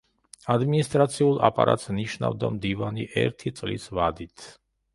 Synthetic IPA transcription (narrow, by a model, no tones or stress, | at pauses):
ad̪minist̪ʼɾat̪sʰiulˠapʼaɾat̪sniʃna̰vd̪amd̪ivaniʔɛɾt̪ʰit̪sʼlḭsvad̪it̪ʰ